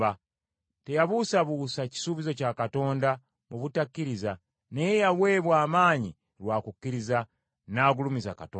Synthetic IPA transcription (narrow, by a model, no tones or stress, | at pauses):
a | te̞jaβuːsaβusaci̥suβizo̞caːkato̞ːnda | muβutakːiɾiza | ne̞jejaβwe̞ːβwaːmaːɲi | lwaːkukːiɾiza | naːɡulumiza̰katoː